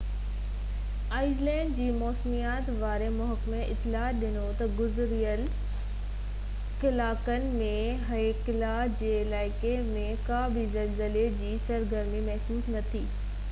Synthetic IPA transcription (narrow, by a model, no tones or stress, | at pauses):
aːɪzlɛ̃ːɳɖd͡ʑiːmɔːsmijaːt̪ʋaːɾemʊɦəkmeʔɪ̰t̪ːɪlaːɗɪnot̪ɐɡʊzɾijəl | kɪlaːkənɪ̆mẽ | ɦɐekɪlaːd͡ʑeːɪlaːɪkemẽkaːbʱizɐlzɪled͡ʑiːsɐɾɡəɾmimɐɦsuːsnɐt̪ʰiː